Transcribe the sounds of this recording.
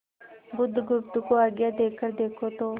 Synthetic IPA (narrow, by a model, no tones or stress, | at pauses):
bʊd̪ɡʊft̪ʊkoaːɡjad̪eːkʰːəɾd̪eːkʰot̪oː